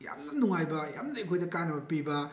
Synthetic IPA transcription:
ja̰mnɐnuŋajbɐja̰mnɐejkʰojdɐkanɐbɐpibɐ

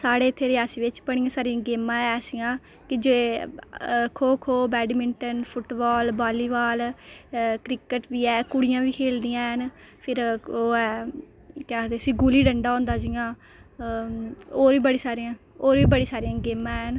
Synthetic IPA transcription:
saːɽeːt̪ʰːeːɾɪaːsiːʋɪt͡ʃpəɳ̃ijãːsaːɾijãːɡeːmãːɛsijãː | kɪd͡ʒeː | kʰoːkʰoːbɛːɖmɪɳʈənpʰʊʈbaːlbaːliːʋaːl | kɾɪkəʈʋiːɛːkʊɽɪjãːʋiːkʰeːld̪ijãːɦənpʰɪɾoːɛː | kɛd̪eəsĩːɡuːliːɖəɳɖaːɦõːnd̪aːd͡ʒɪjãː | oːɾʋiːbəɽiːsaːɾijãː | oːɾʋiːbəɽiːsaːɾijãːɡeːmãːɦən

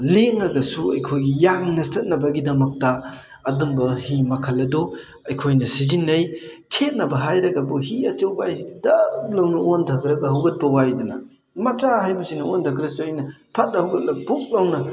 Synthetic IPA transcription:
leŋɐɡɐsuɐ̰jkʰojɡijaŋnɐstɐt̚nɐbɐɡidɐmɐk̚tɐː | dumbɐhimɐkʰɐlːɐdo | ɐjkʰojnɐsizinːɐjkʰet̚nɐbɐɦajɾɐɡɐbuhiɐt͡ʃɐwbajsiddalɐwnɐontʰɐkɾɐɡɐɦɐwɡɐt̚pɐwajdunɐ | mɐt͡ʃaɦajbusinɐontʰɐk̬ɾɐsuɐjnɐpʰɐt̚nɐhɐwɡɐt̚lɐbuk̚lɐwnɐ

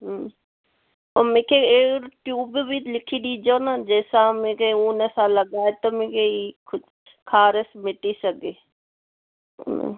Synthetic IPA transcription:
ɦ | omẽkʰeeːɾʈjuːbbʱilɪkʰiɗiːd͡ʒoːnad͡ʒɛːsãmẽkeuːnəsãləɡaːet̪əmẽkeikʰʊ | kʰaːɾəsmɪʈisəɡe

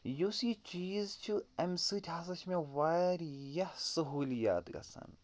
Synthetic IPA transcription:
jusit͡ʃiːzt͡ʃʰuɐmsɨtʲʰɦas̬ɐt͡ʃʰmẽʋaːɾjɐhsɐɦuːlija̰ːt̪ɡɐ̰sɐ̰n

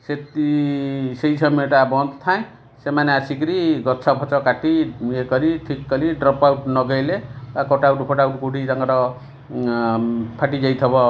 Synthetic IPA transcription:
set̪isejt͡sʰʌmeʈabʌnd̪t̪ʰãj̃ | semaneasikɾiɡʌtsʰapʰɔt͡sɔkaʈiekʌɾiʈʰikːʌliɖrɔpawʈnʌɡʌjlebakɔʈawʈpʰɔʈauʈkuʈidaŋɡaɾʌ | pʰaʈid͡ʒajt̪ʰɔbɔ

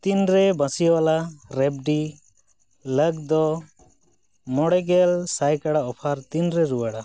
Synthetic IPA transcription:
t̪inɾɛbãsiwalaɾɛb̚ɖi | ləɡd̪ɔ | mɔɽɛɡɛlsajkaɽaɔpʰaɾt̪inɾɛɾuwaɽa

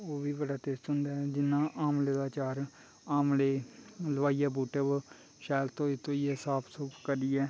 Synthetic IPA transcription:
oːʋiːbəɖaːt̪eːst̪ɦʊ̃nd̪aːɦɛːd͡ʒɪnːãːʔaːmleːd̪aːt͡ʃaːɾ | aːmleːləʋaːijaːbuːʈəb | ʃaːlt̪õːɪt̪ʰːõːiːɛsaːpʰsʊpkəɾiːɛː

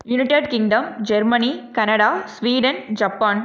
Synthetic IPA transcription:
jʊnɪʈeɖkɪ̃ŋɖɐmd͡ʒɛɾmɐnikɐnɐɽaːsʋiːɖɐnd͡ʒɐpːaːn

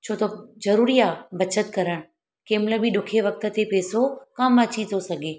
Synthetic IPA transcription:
t͡ɕʰoːt̪ɐzɐɾuːɾiaːbɐt͡ɕət̪kɐɾəɽ̃ | keːmləbiɗʊkʰeʋɐk̚t̪ə̆t̪epeːsokɐmɐt͡ɕit̪ʰosɐɡʱeː

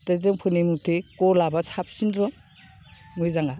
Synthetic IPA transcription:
tɯzɯŋpʰɯnimutʰekɔlabasʰap̚sindɾɔ | mujzaŋa

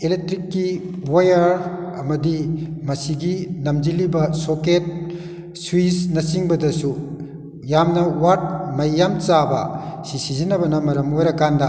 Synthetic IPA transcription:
elek̚tɾikːi | wajɐɾɐmɐdimɐsiɡinɐmd͡ʒilibɐsoket̚ | swisnɐsiŋbɐdɐsu | jamnɐwaɾt̚mɐjːamt͡ʃabɐ̰sisizinɐbɐnɐmɐɾɐmojɾɐkandɐ

